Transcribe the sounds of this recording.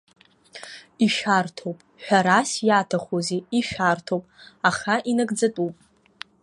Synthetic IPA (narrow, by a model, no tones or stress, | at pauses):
iʃʷᶣartʰowpʼħʷᶣaɾasjatʰaχʷozeiʃʷᶣartʰowpʼaχaʔinaɡd͡zatʼupʼ